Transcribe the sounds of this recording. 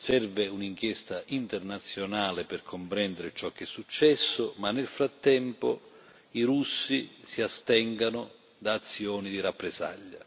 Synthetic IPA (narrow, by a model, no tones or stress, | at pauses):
sɛrvɪuniŋk̟jɛst̪aʔint̪ɛrnat̪sːjonaːlɪpɪrkʰompɾɛnd̪eɾɪt͡ʃɔk̟ːɛsːut͡ʃːɛsːʊmanːelfɾat̪ːɛmpʊ̰ | iɾusːisiast̪ɛŋɡanʊ | d̪aːt̪sːjɔːnid̪iɾapːɾɪsa̰ʎːa